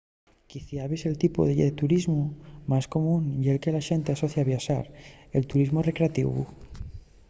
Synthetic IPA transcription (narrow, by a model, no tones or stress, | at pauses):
kiθjaβese̞lt̪ipo̰ðeet̪uɾizmomasko̞mũnjielke̞laʃe̞nt̪easoθjaβjaʃa̰ɾelt̪uɾizmorekɾeat̪ḭβṵ